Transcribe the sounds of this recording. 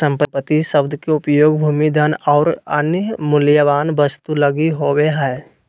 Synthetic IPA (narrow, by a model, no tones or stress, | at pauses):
sə̃mpəpət̪ːisəbd̪ʱkeʊpjoːɡbʱuːmid̪ʱənɔːɾə̰nmʊljəʋaːnbəst̪uləɡiɦoːweɦɛː